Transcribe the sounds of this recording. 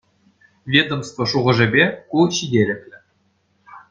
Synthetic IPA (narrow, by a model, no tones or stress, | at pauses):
vʲed̪omst̪vŏʂuʁɤ̆ʐɘ̆bʲekuɕidʲelʲɘ̆kʲlʲɘ̆